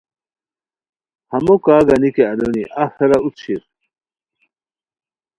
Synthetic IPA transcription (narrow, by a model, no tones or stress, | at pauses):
hɐmokaːɡɐnikeɐloniʔasɐɾaut͡s̪ɕiɾ